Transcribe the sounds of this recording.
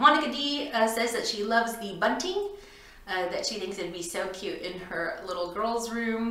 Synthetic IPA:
mɑnɨkɨdisɛzðɨtʃilʌvzðɨbʌ̃ntɪ̃ŋ | ðɨtʃiθɪ̃ŋksɨbisoʊkʰj̥ʉɾɪ̃nə˞lɪɾl̩ˠɡɜ˞lˠzɹʉ̃m

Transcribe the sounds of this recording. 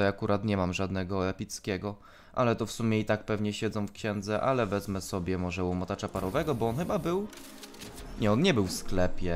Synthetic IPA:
ɛjakuɾʔat̪ɲɛmamʐad̪nɛɡɔɛpʲit̪skʲɛɡɔ | ʔalɛt̪ɔfsumʲjɛit̪ak̚pɛvɲɛɕɛd̪zɔ̃w̃fkɕɛnd̪zɛʔa̰lɛvɛzmɛsɔbʲjɛmɔʐɛwɔmɔt̪at͡ʂapaɾɔvɛɡɔbɔɔnxɘbabɘw | ɲɛɔnɲɛbɘwfsklɛpʲjɛ

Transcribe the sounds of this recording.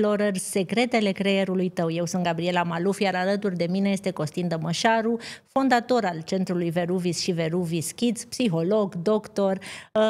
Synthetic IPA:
lo̞ɾərʲse̞kɾe̞t̪e̞le̞kɾe̞je̞ɾulujt̪əwje̞wsunt̪ɡabɾie̞lamalufjaɾalət̪urʲd̪e̞mine̞je̞st̪e̞ko̞st̪ind̪əməʃaɾufo̞nd̪at̪o̞ɾalt͡ʃe̞nt̪ɾulujve̞ɾuvisʃive̞ɾuviskʲit̪spsiɦo̞lo̞ɡd̪o̞kt̪o̞r

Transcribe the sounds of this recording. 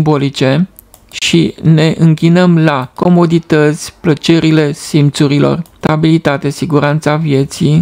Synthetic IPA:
bo̞lit͡ʃe̞ | ʃine̞ʔɨŋkʲinəmlako̞mo̞d̪it̪ət̪sʲplət͡ʃe̞ɾile̞simt̪suɾilo̞̰rt̪abilit̪at̪e̞siɡuɾant̪savje̞t̪si

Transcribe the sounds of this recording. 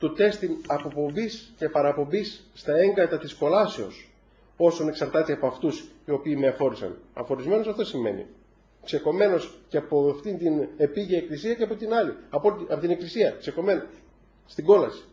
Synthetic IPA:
t̪ut̪e̞st̪inɐpo̞po̞mbisce̞pɐɾɐpo̞mbisːt̪ɐe̞ŋɡɾɐt̪ɐt̪isko̞lɐse̞o̞̰s | o̞sone̞ksɐɾt̪ɐt̪eɐpoɐft̪usio̞piːmeɐfo̞ɾisɐ̰nɐ̰fo̞ɾizme̞nosɐft̪o̞sime̞̰nḭ | kse̞ko̞me̞no̞sceɐpoft̪int̪ine̞piʝiɐeklisiɐceɐpot̪inɐliɐpot̪ɐpot̪ine̞klisiɐkse̞ko̞me̞no | st̪iɡo̞lɐsi̥

